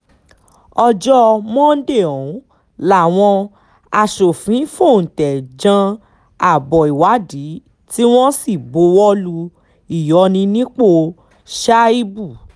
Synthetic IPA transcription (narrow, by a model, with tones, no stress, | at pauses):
ɔ˧d͡ʒɔ˦mɔ̃˦n̩˦de˦˨ɔ̃˨˦ | la˦˨w̃ɔ̃˧ | a˧˨ʃo˨fĩ˨˦fo˦˨n̩˨tɛ˨d͡ʒã˧ | a˨bɔ˨i˨wa˨˦di˨˦ | ti˦w̃ɔ̃˦si˦˨bo˨˧˦wɔ˦lu˧ | i˦˨jɔ˨˧˦nĩ˧nĩ˦k͡po˦˧ | ʃa˦i˦bu˦˨